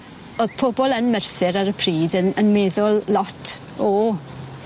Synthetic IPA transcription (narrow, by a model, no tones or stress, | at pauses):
oːðpʰɔbɔlˠənmɛrθɨɾaɾəpʰriːdənənmeːðʊlˠːɔtʰ | ɔ